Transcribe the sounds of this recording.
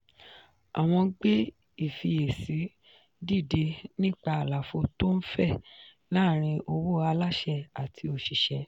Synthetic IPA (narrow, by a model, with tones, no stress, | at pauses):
a̰˨w̃ɔ̃˧˦ɡ͡be˦ | i˨fi˧e˨si˨˦ | di˦˨de˧nĩ˦˨k͡pa˧a˨la˨fo˧to˦n̩˦fɛ˦˨ | laː˦˨ɾ̃ĩ˧ʔo˧wo˦˨a˧la˦ʃɛ˦˨a˨tʰi˧o˨ʃi˨ʃɛ˧